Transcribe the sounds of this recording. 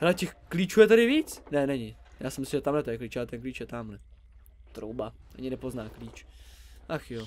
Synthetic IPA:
ɦɛlɛcɛxkliːt͡ʃuːjɛt̪aɾɪviːt͡snɛnɛɲɪjaːsɛmɪsɪmʒɛt̪amlɛt̪ojɛkliːt͡ʃalɛt̪ɛnk̬liːt͡ʃjɛt̪amlɛ | t̪ɾo̰wbaʔa̰ɲɪnɛpo̞znaːkliːt͡ʃʔaxjo

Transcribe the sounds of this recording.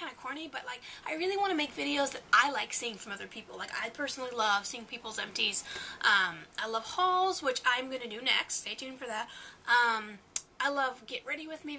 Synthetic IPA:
kʰãɪ̃ndɨkʰɔɹnibʌtlaɪkʔaɪɹɪlˠiwɑ̃ñɨmeɪkvɪɾioʊzðɨɾʔaɪlaɪksiɪ̃ŋfɹʌ̃mʌðə˞pʰipl̩ˠlaɪka̰ɪpʰɜ˞sn̩l̩ˠilʌv̥siɪ̃ŋpʰipl̩ˠzɛ̃mp̚tiz̥ʔʌ̃maɪlʌv̥hɔlˠzwɨt͡ʃãɪ̃mɡʌnɨdɨnɛ̰kststeɪtʰʉ̃nfə˞ðæt̚ʔʌ̃mʔaɪlʌvɡɛʔ̚ɹɛɾiwɨðmi

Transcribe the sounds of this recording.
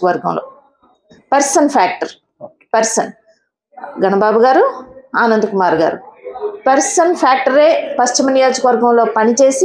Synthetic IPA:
ɐʋɐɾɡɐ̰mloː | pɐɾsɐnpʰaːk̚ʈɐɾ | pɐɾsɐn | ɡɐɳɐbaːbuɡaːɾuaːnɐnd̪ukumaːɾɡa̰ːɾupɐɾsɐnpʰaːk̚ʈɐɾe̞ːpɐʃt͡ʃimɐnijo̞ːd͡ʒɐkɐʋɐɾɡɐmlo̞ːpɐnit͡ʃe̞ːsi

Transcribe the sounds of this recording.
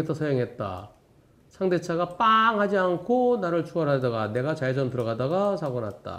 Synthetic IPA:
etʰʌsʰajoŋɦe̞t̚t͈a̰ | sʰaŋde̞t͡ɕʰaɡap͈aŋhad͡ʑiankʰonaɾɯɭt͡ɕʰuaɾɦadaɡane̞ɡat͡ɕaed͡ʑʌntɯɾʌɡadaɡasʰaɡʌnɦat̚t͈a̰

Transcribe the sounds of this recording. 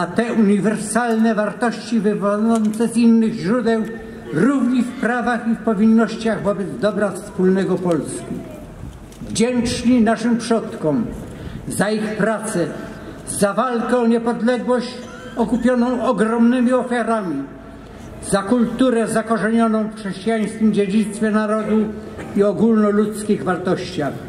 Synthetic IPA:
at̪ɛuɲivɛɾsalnɛvaɾt̪ɔɕt͡ɕivɘvɔɔnt̪sɛzinːɘɣʑɾud̪ɛw | ɾuvɲifpɾavaxifpɔvʲinːɔɕt͡ɕaɣvɔbɛd̪zd̪ɔbɾafspulnɛɡɔpɔlskʲi | vd͡ʑɛnt͡ʂɲinaʂɘmpʂɔt̪kɔm | zaixpɾat̪sɛ | zavalkɔ̃w̃ɲɛpɔd̪lɛɡwɔɕt͡ɕ | ɔkupʲjɔnɔ̃w̃ɔɡɾɔmnɘmʲiɔfʲjaɾamʲi | zakult̪uɾɛzakɔʐɛɲɔnɔ̃w̃fxʂɛɕt͡ɕijaj̃skʲimd͡ʑed͡ʑit̪st̪fʲɛnaɾɔd̪uiɔɡulnɔlut̪skʲiɣvaɾt̪ɔɕt͡ɕax

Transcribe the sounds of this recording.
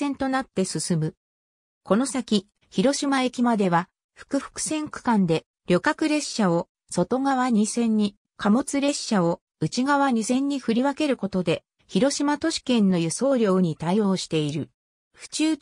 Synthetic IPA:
ẽ̞nt̪o̞nat̪ːe̞sɨsɨmɯ̟ | ko̞no̞sakʲi | çiɾo̞ɕimae̞kʲimad̪e̞βa | ɸɯ̥kɯ̟ɸɯ̟̥kɯ̟̥sẽ̞ŋkɯ̥kãnd̪e̞ | ɾʲo̞kakɯ̟ɾe̞ɕːao̞ | so̞t̪o̞ɡaβaɲ̟isẽ̞ɲ̟ːi | kʰamo̞t͡sɨɾe̞ɕːao̞ | ɯ̟t͡ɕiɡaβaɲ̟isẽ̞ɲ̟ːiɸɯ̟ɾʲiβake̞ɾɯ̟ko̞t̪o̞d̪e̞ | çiɾo̞ɕimat̪o̞ɕi̥kẽ̞nːo̞jɯ̟so̞ːɾʲjo̞ːɲ̟it̪aio̞ːɕi̥t̪e̞iɾɯ̟̰ | ɸɯ̟̥t͡ɕɨː

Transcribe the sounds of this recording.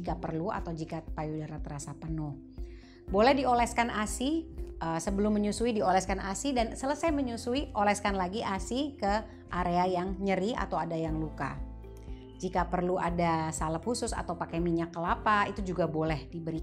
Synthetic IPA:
d͡ʒikapərlua̰t̪awd͡ʒikapajudaɾat̪ɾasapənʊh | bolɛhdiolɛskanasiʔəsəbəlʊmːəɲusuidiolɛskanasidansələsajməɲusuiʔolɛskanlaɡiʔasikə | ʔaɾeajaŋɲəɾia̰t̪awadajaŋluka̰ | d͡ʒikapərluʔadasalaphusʊsa̰t̪awpakɛjmiɲakːəlapait̪ud͡ʒuɡabolɛhdibəɾi

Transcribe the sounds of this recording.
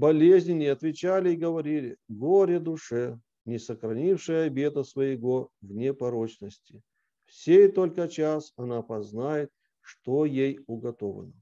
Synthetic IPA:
bɐlʲezʲnʲɪnʲːɪjɐt̪vʲɪt͡ɕalʲɪiɡəvɐɾʲilʲɪɡoɾʲed̪ʊʂɛ | nʲɪsəxɾɐnʲifʂɨjəɐbʲe̞t̪əsvəjɪɡovnʲepɐɾot͡ɕnəsʲtʲɪ̥ | fsʲejt̪olʲkət͡ɕasɐnapɐznajɪt̪̚ | ʂt̪ojejʊɡɐt̪ovə̰nə

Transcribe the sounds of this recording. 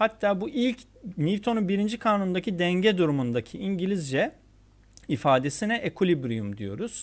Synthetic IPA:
hat̪ʰːaːbuʔilʲcnivt̪ʰo̞nunbiɾind͡ʒikʰaːnund̪acʰid̪ɛɲɟɛd̪uɾumund̪acʰiiɲɟilʲizd͡ʒɛ | ifaːd̪e̞sinɛʔekʰulʲibɾijumd̪ijo̞̰ɾuz̥

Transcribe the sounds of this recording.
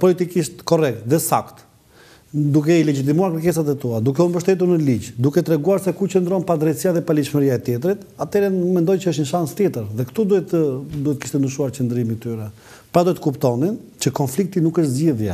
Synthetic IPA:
pɔlit̪ikiʃt̪kɔrɛk̚t̪ðɛsakt̪ | d̪uk̬ɛilɛd͡ʑit̪̬imuaɾkəɾkɛsat̪̬ɛt̪uad̪ukɛunbəʃt̪ɛt̪̬uɾnəliɟd̪ukɛt̪ɾɛɡuaɾsɛkut͡ɕənd̪ɾɔnpad̪ɾɛt̪siaðɛpaliʃməɾiaɛt̪jɛt̪ɾit̪at̪ɛɾɛnmɛnd̪ɔjt͡ɕəəʃɲəʃanst̪jɛt̪əɾðɛkt̪ud̪uhɛt̪əd̪uhɛt̪əki̥ʃt̪ɛnd̪əʃuaɾt͡ɕənd̪ɾimit̪yɾɛ | pɾad̪uɛt̪əkupt̪ɔnint͡ɕəkɔnflik̚t̪inukəʃt̪zɟiðjɛ

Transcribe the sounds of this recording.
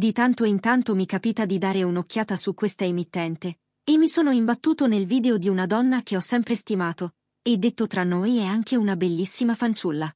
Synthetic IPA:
d̪it̪ant̪oint̪ant̪omikapit̪ad̪id̪aːɾeunok̟ːjaːt̪asukːwest̪aemit̪ːɛnt̪e | emːisoːnoimbat̪ːuːt̪onelviːd̪eod̪iunad̪ɔnːak̟eɔsːɛmpɾest̪imaːt̪o | ed̪ːet̪ːot̪ɾanːojɛaŋkeunabelːisːimafant͡ʃulːa

